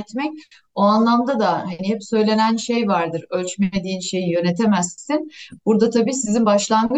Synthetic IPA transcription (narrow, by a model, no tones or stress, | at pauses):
t̪mɛc̚ | oanlˠamd̪ad̪ahanihɛpsø̞jlʲe̞nænʃejvaɾd̪ɯɾølʲt͡ʃmed̪iːnʃe̞jijø̞ne̞t̪ʰe̞mæssinb̥uɾd̪at̪ʰabiːsizinbaʃlˠanɡɯ